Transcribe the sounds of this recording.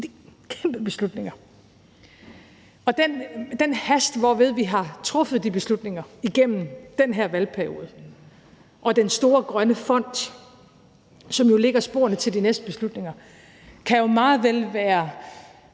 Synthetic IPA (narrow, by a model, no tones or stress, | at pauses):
d̥ikʰemb̥əb̥e̝slud̥neŋɐ | ɒ̽d̥end̥enhæsd̥ʋɒʋe̝ð̞ˠʋiɦɑ̈t͡sʰʁɔ̽fð̞̩ˠd̥ib̥e̝slud̥ne̝ŋɐiɡ̥em̰m̩d̥enɦeɐ̰ʋælpʰæɐijo̝̰ːð̩ˠ | ʔɒ̽d̥ensd̥o̝ːɐɡ̥ʁɶnəfɒ̽n̰d̥ | sɒ̽mjo̝le̝ɡ̥ɐsb̥o̝̰ːɐnət͡sʰe̝ld̥inesd̥əb̥e̝slud̥ne̝ŋɐ | kʰæjo̝mɑ̈ːð̩ˠʋelʋæːɐ